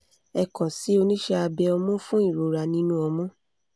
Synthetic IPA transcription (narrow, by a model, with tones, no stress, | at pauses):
ɛ˧kɔ̃˨si˨˦o˧nĩ˦ʃɛ˧a˧bɛ˧ɔ˧mɔ̃˦fũ˦i˦˨ɾo˨ɾa˧nĩ˦nũ˦ɔ˧mɔ̃˦